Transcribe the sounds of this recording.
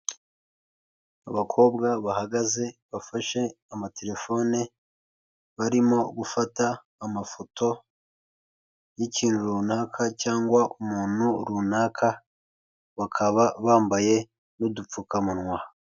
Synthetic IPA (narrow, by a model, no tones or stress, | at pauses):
a̰βakʰo̞ːbɡaβahaɡaze̞βafaʃe̞ | amate̞ɾe̞fo̞ːne | βaɾimo̞ɡufataː | mafo̞to̞ | jiciːnhuɾunaːkʰacaːŋɡwaʔumuːn̥huɾunaːkʰa | βakʰaβaβaːmbaje̞ | nodup͡fukamunŋwa